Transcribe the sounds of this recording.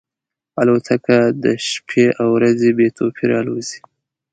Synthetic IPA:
alot̪ʰakad̪əʃpʰeʔawɾazebet̪ʰopʰiɾɑlozi̥

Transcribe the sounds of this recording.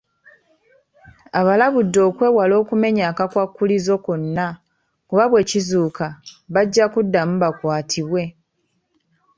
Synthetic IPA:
aβalaβudːo̞ːkwe̞walo̞ːkume̞ɲaːkakwakːulizo̞konːa | kuβaβwe̞ːcizuːkaβaɟːakudːamuβakwaːtʰiβwe̞

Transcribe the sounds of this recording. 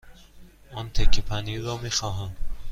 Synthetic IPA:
ɒːnt̪ʰecʰːepʰæniːɾɒːmiːxɒːɦæm

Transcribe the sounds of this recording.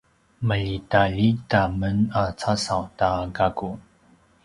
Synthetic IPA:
məʎitaʎitamənat͡sasawtaɡaku

